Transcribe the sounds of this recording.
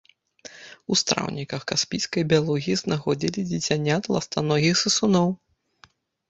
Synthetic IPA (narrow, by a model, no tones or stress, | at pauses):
ust̪ɾa̰wnʲikɐxkaspʲijskɐjbʲialˠuɣʲiiznaxɔd͡zʲilʲid͡zʲit͡sʲanʲat̪lˠɐ̰st̪anɔɣʲixsɨsunɔw